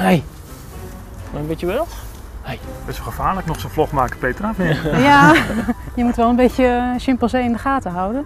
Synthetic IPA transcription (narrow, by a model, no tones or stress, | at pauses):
hɛj | maənbɪtəʋɛlˠ | hɛjbɛsoxəfaːləknɔxsonflɔxmaːkə̥pejtrafnɪja | jəmutʋɛlˠənbeːtjəʃɪmpəl̩ˠsejɪndəxaːtəɦawdən